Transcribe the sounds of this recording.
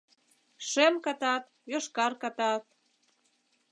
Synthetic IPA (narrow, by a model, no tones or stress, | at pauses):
ʃemkɑt̪ɑt̪̚ | joʃkɑrkɑt̪ɑt̪̚